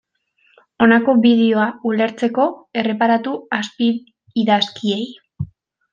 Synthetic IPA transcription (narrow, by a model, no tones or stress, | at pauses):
o̞nako̞βiðe̞o̞aule̞ɾt͡se̞ko̞e̞re̞paɾat̪uaspiː | ðaskie̞j